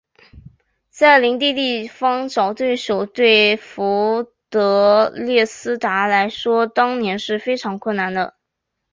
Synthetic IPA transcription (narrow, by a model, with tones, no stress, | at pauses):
t͡sa˥˩ɪli˧˥ŋt̪i˥˧t̪i˥˩fɑ˥ŋʈ͡ʂɑ˨˩ʊt̪we˥˩ɪʂo˨˩ʊt̪we˥˩ɪfu˧˥t̪ɤ˧˥ljɛ˥˩sɹ̩˥t̪a˧˥la˧˥ɪʂwɔ˥t̪ɑ˥ŋnjɛ˧˥nʂɻ̩˥˩fe˥ɪʈ͡ʂʰɑ˧˥ŋkʰwə˥˩na˧˥˦nd̪ə̰˧